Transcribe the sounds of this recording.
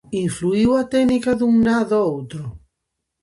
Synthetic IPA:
iɱfluiwat̪enikaðuŋnaðowt̪ɾo

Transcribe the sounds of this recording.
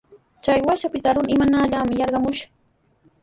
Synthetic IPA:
t͡ʃajwaʃapɪt̪aɾʊnɪmanaːʎaːmɪjɑɾɢɑmʊʃḁ

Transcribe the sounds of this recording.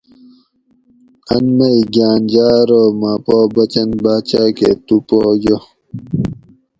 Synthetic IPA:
ɐnmɐiɡaːnd͡ʑaːɾoːmapoːbɐt͡ɕɐnbaːt͡ɕaːket̪upoːjo

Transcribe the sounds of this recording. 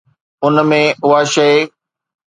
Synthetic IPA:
ʊnmẽʊɦaʃɐe

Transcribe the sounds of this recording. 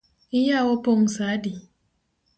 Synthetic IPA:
ijawopoŋ̩sadi

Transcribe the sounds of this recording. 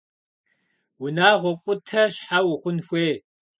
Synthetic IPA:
wʊnaːʁʷɔqʷʼʊtʰɐɕħawʊχʷʊnxʷeː

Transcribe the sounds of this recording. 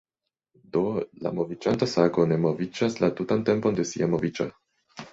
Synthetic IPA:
do̞la̰mo̞vid͡ʒantasaɡone̞mo̞vid͡ʒaslatutante̞mpo̞nde̞sḭamo̞vid͡ʒa

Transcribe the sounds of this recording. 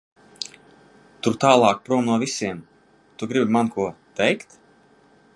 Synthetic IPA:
t̪uɾt̪aːlˠɑːk̚pɾuɔmnuɔvisʲiɛm | t̪uɡɾibimankʰuɔt̪ɛjkt̪

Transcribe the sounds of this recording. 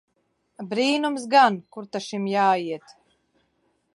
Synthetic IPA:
bɾiːnumsɡankuɾt̪aʃimjaːiɛt̪

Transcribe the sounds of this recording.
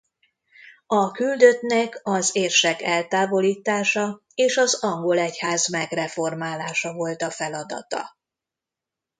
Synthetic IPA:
ɒkyld̪ø̞t̪nɛkɒzeːrʃɛkɛlt̪aːvo̞liːt̪aːʃɒ | eːʃɒzɒŋɡo̞lɛchaːzmɛɡrɛfo̞rmaːlaːʃɒvo̞lt̪ɒfɛlɒd̪ɒ̰t̪ɒ̰

